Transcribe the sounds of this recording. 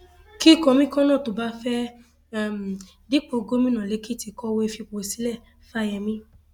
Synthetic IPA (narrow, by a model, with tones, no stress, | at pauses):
ki˦˨kɔ̃˧mĩ˦kɔ̃˦nã˦˨to˨ba˦fɛ˦˨ | m˨ | di˦k͡po˧ɡo˦mĩ˦nã˨le˨˧˦ki˦ti˧kɔ˧we˦˧fi˧k͡po˨si˦lɛ˦˨ | fa˦˨jɛ˧˨mĩ˦